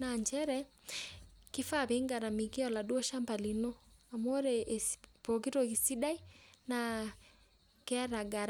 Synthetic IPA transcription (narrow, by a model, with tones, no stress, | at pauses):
na˨ɲd͡ʒɛɾɛ˦ | kɪ˦fa˦βe˨˦ŋɡa˨ɾa˨mi˨kɪ˦ɔ˨la˨dwɔ˦ʃa˦mba˨li˨no˦a˨mwo˦ɾe˨spo˨ki˦to˨ki˨si˦da˦i˦na˨ | kɛ˦a˦ɾa˨ɡa˨ɾa